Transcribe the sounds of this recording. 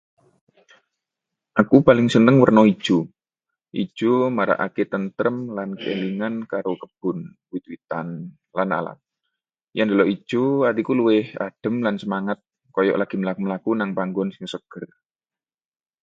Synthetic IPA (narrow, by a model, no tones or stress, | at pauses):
ʔakupalɪŋsənəŋwərnɔid̥ʒ̥u | ʔḭ̥ʒ̥umaɾa̰ʔa̰ket̪ənt̪ɾəmlankḛliŋankaɾokəb̥ʊn | wit̪wit̪an | lana̰la̰t̪̚ | jaŋd̪a̤lɔʔi̥ʒ̥uart̪ikuluwɪha̰d̥ə̤mlansəmaŋat̪̚ | kɔjɔ̰ʔlaɡ̥i̤məlakuməlakunaŋpaŋɡɔnsiŋsəɡ̥ər